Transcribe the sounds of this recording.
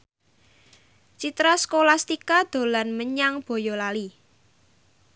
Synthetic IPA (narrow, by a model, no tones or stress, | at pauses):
t͡ʃit̪ɾaskolast̪ikad̪̥o̤lanməɲaŋb̥o̤jɔlali